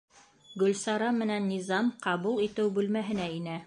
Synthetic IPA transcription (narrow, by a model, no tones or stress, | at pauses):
ɡɵ̆lsɑɾɑmɘ̆nænːizɑmqɑβulˠit̪ɘwbʉlmæɦɘ̆næinæ